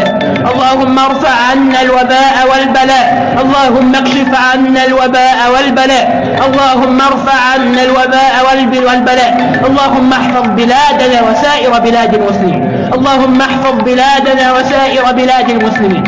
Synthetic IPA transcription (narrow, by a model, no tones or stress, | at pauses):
a | ʔɑlˤːɑːhʊmːɑɾˤfaʕʕanːalwabaːʔawalbalaːʔ | ʔɑlˤːɑːɦʊmːakʃɪfʕanːalwabaːʔawalbalaːʔ | ʔɑlˤːɑːɦʊmːɑɾˤfaʕʕanːalwabaːʔawalbɪwalbalaːʔ | ʔɑlˤːɑːɦʊmːɑħfɑðˤbɪlaːd̪anaːwasaːʔɪɾbɪlaːd̪almʊslɪmḭːn | ʔɑlˤːɑːhʊmːɑħfɑðˤbɪlaːd̪anaːwasaːʔɪɾabɪlaːd̪almʊslɪmiːn